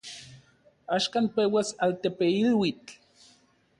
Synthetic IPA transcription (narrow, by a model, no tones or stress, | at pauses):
aːʃkanpewasalt̪epeilwit͡ɬ